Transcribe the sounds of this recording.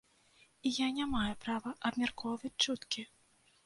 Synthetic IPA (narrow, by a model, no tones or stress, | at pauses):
ijanʲamajɛpɾavɐʔɐbmʲarkʰɔwvɐt͡sʲt͡ʂut̪kʲi